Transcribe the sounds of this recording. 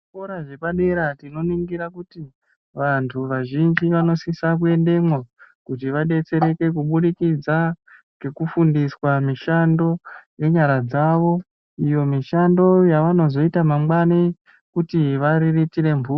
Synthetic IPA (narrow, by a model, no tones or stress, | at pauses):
ikoɾaʐe̞paɗeɾatino̞niŋɡiɾakuti | ʋantʰuʋaʒind͡ʒiʋano̞sisak̬ue̞nde̞mwakut̬iʋaɗe̞t͡se̞ɾe̞ke̞kuɓuɗikid͡za | ke̞kufundiswamiʃando̞je̞ɲaɾad͡zaʋo̞ | ijo̞miʃando̞jaʋano̞zo̞itamamwani | kutiʋaɾiritiɾe̞mbʱuː